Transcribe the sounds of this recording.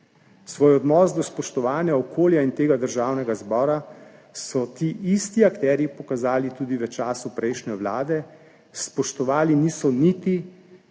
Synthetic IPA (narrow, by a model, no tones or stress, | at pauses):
sʋoːjɔd̪nɔːsd̪ɔspɔʃt̪ɔʋaːnjaɔkʰoːljaint̪eːɡad̪əɾʒaːwnɛɡazbɔːɾasɔt̪iːʔist̪iakt̪ɛɾjipɔkazaːlit̪uːd̪iʋət͡ʃaːsupɾɛjʃnɛʋlaːd̪ɛ | spɔʃt̪ɔʋaːliniːsɔnit̪i